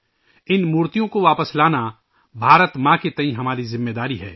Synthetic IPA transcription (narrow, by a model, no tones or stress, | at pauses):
ɪnmuːɾt̪ijõkoʋaːpəslaːna | bʱaːɾət̪mãːket̪ɐ̃ĩɦɐmaːɾizɪmːeːd̪aːɾiɦɛ̰ː